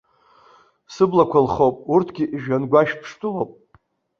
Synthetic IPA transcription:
sɨblakʷʰalχowpʼurtʰɡʲiʔiʒᶣanɡʷaʃpʰʂtʰʼulowpʼ

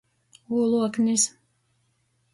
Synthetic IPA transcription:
uːlˠuɔknis

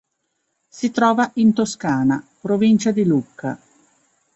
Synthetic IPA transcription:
sit̪ɾɔːvaʔint̪oskaːnapɾovint͡ʃad̪ilukːa̰

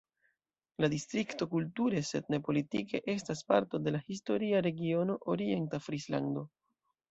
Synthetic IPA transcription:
ladistɾikto̞kultuɾe̞se̞̰d̚ne̞po̞litike̞ʔe̞staspa̰ɾto̞de̞lahis̬to̞ɾiaɾe̞ɡio̞no̞ʔoɾie̞ntafɾisla̰ndo̞

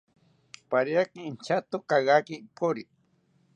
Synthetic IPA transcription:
paɾjakiːnt͡ʃat̪okaɣakipʰoɾi

